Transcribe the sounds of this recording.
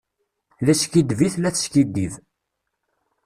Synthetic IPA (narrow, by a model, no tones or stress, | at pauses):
læskid̪viθlæθʃkid̪iv